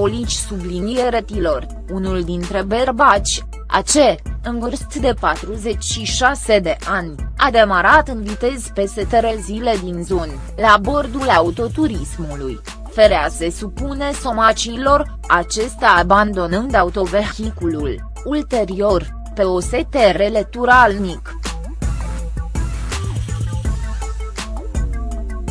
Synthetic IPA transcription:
olit͡ʃʲsublinieɾet̪ilo̞r | unuld̪int̪ɾe̞berbat͡ʃʲ | a̰t͡ʃe̞ɨnvərst̪d̪e̞pat̪ɾuze̞t͡ʃʲʃiʃase̞d̪e̞ʔanʲad̪e̞maɾat̪ɨnvit̪e̞z̥pe̞set̪eɾezile̞d̪inzo̞nʲ | labo̞rd̪ulaut̪o̞t̪uɾismuluj | fe̞ɾease̞supune̞so̞mat͡ʃiːlo̞r | at͡ʃe̞st̪aːband̪o̞nɨnd̪aut̪o̞ve̞rxikulul | ult̪e̞ɾio̞r | pe̞ose̞t̪e̞re̞le̞t̪uɾalmik

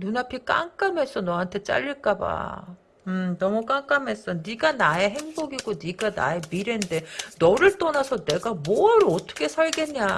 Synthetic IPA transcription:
nunapʰik͈a̰ŋk͈ame̞s͈ʌnʌɦantʰe̞t͡ɕ͈a̰ʎːiɭk͈aba̰ | ɯmnʌmuk͈aŋk͈ame̞s͈ʌniɡanaeɦeŋboɡiɡoniɡana̰e̞miɾe̞nde̞nʌɾɯɭt͈ʌnasʰʌne̞ɡamoʌɾɯʌtʰʌ̥kʰe̞sʰaɭɡe̞nɲa

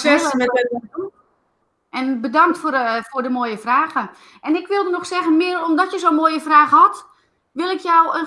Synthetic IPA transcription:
sɛləmɛɛt̚ɛdu | ʔɛnbədaŋk̚tffʊrdəmoːjəfraːɣə | ʔɛnɪkʋɪlˠdənɔxsɛɣənmɪəromdɔtjəsoːnmoːjəfraːɣəhɔt | ʋɪlˠɪkjɔwə

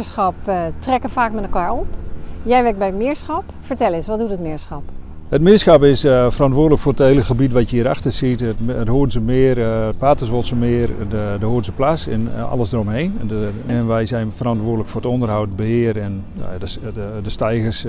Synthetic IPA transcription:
əsxɑptrɛkəfaːkmɛnəkʋaːɹɔpjɛjʋɛk̚bɛjtmɪəɹsxap | fəɹtɛlˠɪsʋɔtdutətmɪəɹsxap | hətmɪəsxapɪsfərɑntʋoːdələkfʊːrətheləxəbitʋatjəiːɾaxtəsitətətɦoːnsəmɪərət̚paːtəsʋosəmɪərdəhoərnsəplasɛ̰nɑ̰ləsdərɔmɦejn | ɛnʋɛjsɛjnfərɑntʋoːdələkfʊːrətɔndərɦawtəbəhɪərɛn̰ | dədəstɛjɣəs

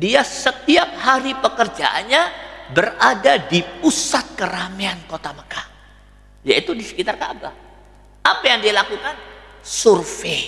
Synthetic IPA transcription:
diasət̪iap̚haɾipəkərd͡ʒa̰ʔa̰nɲabəradadipusat̪̚kəɾameankot̪aməkah | jait̪udisə̥kit̪arka̰ʔba̰ | apajaŋdialakukan | surfe

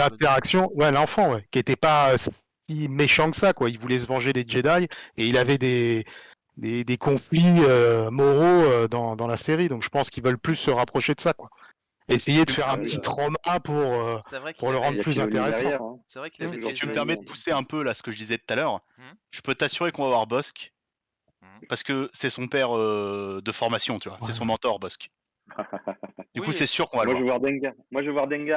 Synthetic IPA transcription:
lɛ̃t̪eʁaksjɔ̃wɛlɑ̃fɑ̃wɛkʲiet̪ɛpaøs | imeʃɑ̃kə̥sakwailvulɛs̬əvɑ̃ʒed̪ed͡ʒed̪ajeilavɛd̪e | d̪ed̪ekɔ̃fliømɔʁoød̪ɑ̃d̪ɑ̃laseʁid̪ɔ̃kʒ̥ə̥pɑ̃skʲilvœlplysːəʁapχɔʃed̪əsakwa | esejed̪əfɛʁɛ̃pət̪it̪χɔmapuʁøpuʁləʁɑ̃d̪ʁplyzɛ̃t̪eʁesɑ̃ɛʁɛssit̪yməpɛʁmɛd̪əpuseɛ̃pølasə̥kəʒəd̪izɛt̪u̥t̪alœːʁ | ʒ̥əpøt̪asyʁekɔ̃vaːvwaʁbɔskʲ | paʁsə̥kəsɛsɔ̃pɛʁød̪əfɔʁmasjɔ̃t̪yvwasɛsɔ̃mɑ̃t̪ɔʁbɔsk | d̪ykusɛsyʁkɔ̃valavevwaʁd̪ɛ̃ŋɡamwaʒvevwaʁd̪ɛ̃ŋɡa

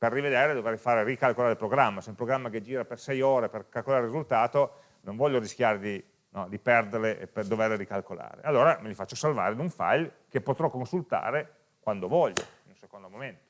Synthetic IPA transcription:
perːived̪eːɾed̪ovejfaːɾerikalkolaːɾepɾoɡɾamːaseumpɾoɡɾamːaked͡ʒiːɾapersɛjoːɾeperkalkolaɾeɾizult̪aːt̪o | noɱvɔʎːoɾisk̟ʲjaːɾed̪i | nɔd̪ipɛrd̪erleʔped̪overleɾikalkola̰ːɾḛalːoːɾamilifat͡ʃːosalva̰ːɾeinuɱfa̰jlkepːot̪ɾɔkːonsult̪a̰ːɾe | kwand̪ovɔʎːo̰inũnsekond̪omoment̪o̥

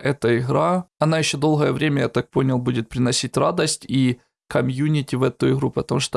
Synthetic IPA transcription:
ʔɛt̪əɪɣɾaɐnajɪɕːod̪o̞lˠɣəjəvɾʲemʲəjat̪ak̚po̞nʲɪlˠbudʲɪt̪̚pɾʲɪnɐsʲitʲrad̪əsʲtʲi | kɐmjunʲɪtʲɪvɛt̪ʊɪɣɾupət̪ɐmuʂt̪o

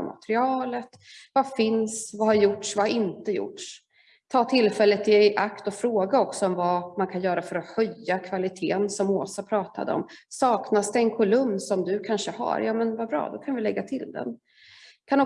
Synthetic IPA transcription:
ma̰t̪ɾɪɑːlət̪vafɪnsvahaɾjʊʈʂvaɾɪnt̪əjʊ̰ʈʂ | t̪ʰɑːt̪ʰɪlfɛlːət̪ʰɪɛʔakt̪ɔfɾoːɡaɔksɔɔmvamankʰanjœːɾafœɾɔxœjːakʰvalɪt̪ʰḛːnsɔmoːsapʰɾɑːt̪a̰d̪ə̰ɔ̰msɑːknasd̪ɛɛnkʰʊlɵmːsɔmd̪ɵkʰanʂəha̰ɾjɑːmɛnvabɾɑ̰ːd̪ɔkʰanvɪlɛɡːat̪ʰɪld̪ɛ̰n | kʰand̪

